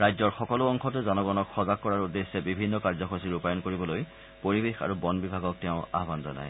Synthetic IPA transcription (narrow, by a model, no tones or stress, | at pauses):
ɹajzɔɹxɔkɔluɔŋxɔtʊzɔnɔɡɔnɔkxɔzak̚ːɔɹaɹudːesːɛbibʱinːɔkaɹzɔxʰosiɹupajɔnkoɹibɔloj | poɹibexa̰ɹubɔnbibʱaɡɔk̚tɛʊ̃a̰ɦbanzɔna̰j